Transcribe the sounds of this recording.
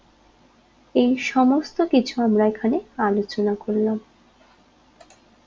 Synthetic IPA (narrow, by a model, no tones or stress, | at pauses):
ejʃɔmost̪okit͡ɕʰuamɾaekʰanealot͡ɕonakoɾlam